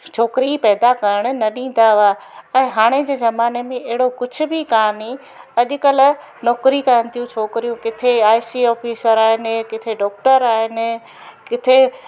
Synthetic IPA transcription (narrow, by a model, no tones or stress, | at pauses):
t͡ɕʰoːkɪɾipɛːd̪akɐɾəɽ̃̆nɐɗĩːn̆d̪aaːɛ̃ːɦaːɽ̃ed͡ʑeːzɐmaːnemẽʔɐɦɪɽokʊd͡ʑʱʊ̆bʱikaːni | ɐʄʊ̆kəl̆ | nɔːkɾikɐɾə̃nɪ̆t̪ʰijũt͡ɕʰoːkɾijũkɪt̪ʰeaːɪsiːɔːfʰiːsəɾaːɦɪnkɪt̪ʰeɖɔːk̚ʈəɾaːɦɪnɪ̆ | kɪt̪ʰe